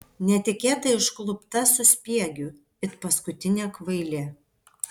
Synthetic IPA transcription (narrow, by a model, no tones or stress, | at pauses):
nʲɛt̪ʲɪkʲeːt̪ɐɪʃklˠʊpt̪ɐsʊsʲpʲiɛɡʲu | ɪt̪pɐskʊt̪ʲɪnʲeːkʋɐɪlʲeː